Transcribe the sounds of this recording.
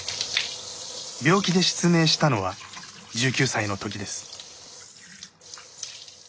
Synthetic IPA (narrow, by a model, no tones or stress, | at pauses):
bʲo̞ːkʲid̪e̞ɕi̥t͡sɨmeːɕi̥t̪ano̞βa | d͡ʑɨːkʲɨːsaino̞t̪o̞kʲid̪e̞sɨ̥